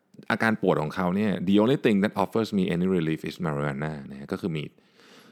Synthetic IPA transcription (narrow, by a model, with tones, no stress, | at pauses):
ʔaː˧kaː˧npu˨˩ət̪̚kʰɔː˩˦ŋkʰa˦˥wni˥˩ɐdiː˧ʔoː˧nli˦˥t̪i˧ŋda˨˩t̪̚ʔɔ˦˥fə˥smiː˧ʔḛ˦˧niː˦ɾi˧liː˦˥fʔi˦˩sma˧ɾi˧a˧nːaː˥˩na˦ha˦˥kɔː˥˩kʰɯː˧mḭː˨˩t̪̚